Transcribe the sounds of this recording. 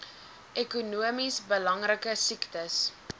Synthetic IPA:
ʔɛkunuəmisbəlɐŋrəkəsiktəs

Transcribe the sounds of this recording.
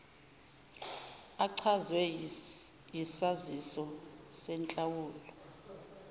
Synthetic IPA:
aǀʰazwɛ | jisazisɔsɛnt͡ɬʼawuːlɔ

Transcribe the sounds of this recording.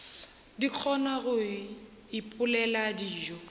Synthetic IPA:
dik͡xʰɔnaɣʊ | ɪpʼʊlɛladiːʒɔ

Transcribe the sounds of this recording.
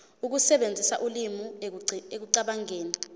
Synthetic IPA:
uk̬usɛɓend͡zʱisa̰ʔulimuek̬uǀaɓaŋeːni

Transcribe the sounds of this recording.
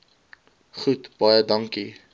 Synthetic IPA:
χutb̥ɑjədɐŋki

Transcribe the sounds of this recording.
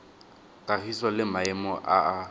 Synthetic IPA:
kʼarisɔlɪmaɛmɔʔaa

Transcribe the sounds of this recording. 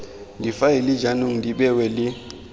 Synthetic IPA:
ndʱifailid͡ʒanuŋndʱiɓɛwɛli

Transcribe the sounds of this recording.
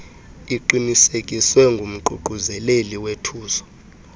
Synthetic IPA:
iǃinisekʼiswɛŋɡʱum̩ǃuǃuzɛleliwetʰuːzɔ̥

